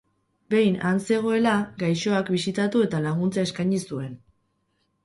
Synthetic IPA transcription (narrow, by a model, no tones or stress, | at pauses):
be̞jnanse̞ɣ̞o̞e̞laɡajʃo̞akbisit̪at̪ue̞t̪alaɣ̞unt͡saeskajɲisue̞n